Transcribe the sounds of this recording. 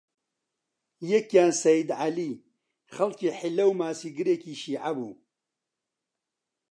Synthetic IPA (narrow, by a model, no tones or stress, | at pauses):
jɛkjaːnsɐjid̪ʕaliː | χɐlkiːħɪlːɐwmaːsiːɡɨɾeːkiːʃiːʕabuː